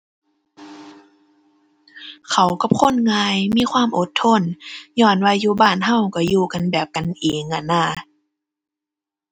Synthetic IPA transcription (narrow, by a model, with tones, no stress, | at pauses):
kʰa˨˦wka˧˩p̚kʰo˧˥˨nŋaː˧jmiː˧˥˨kʰwaː˧˥˨mʔo˧˦t̪ʰːo˧˥˨njɔː˧˩nwa˧juː˧baː˧˥˨nɦa˧˩˨wka˧˩juː˧ka˧˨nbɛː˨˩p̚ka˨nʔeː˨˦ŋʔa˧˩nːaː˧˩˨